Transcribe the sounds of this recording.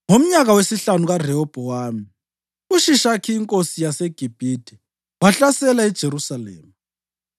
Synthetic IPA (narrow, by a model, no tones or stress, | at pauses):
ŋom̩ɲaɣawesiɬanuɣar̤ɛɔb̥ʱɔwaːmi | uʃiʃakʰiːŋkʼosijaseɡ̥ʱib̥ʱiːd̥ʱɛ | waɬasɛlaid̥ʒ̥ʱeɾusalḛːmu